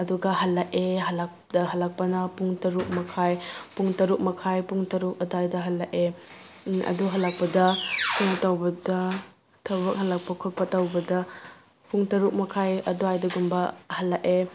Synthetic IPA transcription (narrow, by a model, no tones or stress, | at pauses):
ɐduɡɐɦɐlːɐkeɦɐlak̚dɐɦɐlːak̚pɐnɐpuŋtɐɾuk̚mɐkʰajpuŋtɐɾuk̚mɐkʰajpuŋtɐɾuk̚ɐduajdɐɦɐlːɐʔe | ɐ̰duɦɐlak̚pɐdɐpʰuŋɐtawbɐdɐ | tʰɐbɐk̚hɐlak̚pɐkʰutpɐtawbɐdɐ | pʰuŋtɐɾuk̚mɐkʰajɐduajdɐɡumbɐhɐlːaʔe